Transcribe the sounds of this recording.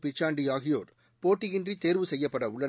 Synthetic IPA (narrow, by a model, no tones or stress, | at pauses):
pɪt͡ʃːaːɳɖiaːɣɪjoːɾ | poːʈːɪɣɪndrit̪eːɾʋɯsɛjːɐpːɐɽɐʊɭːɐ